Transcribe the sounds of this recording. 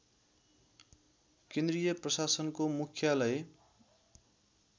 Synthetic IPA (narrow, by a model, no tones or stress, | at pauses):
kẽnd̪rijʌprʌsasʌnkomukʰjalʌe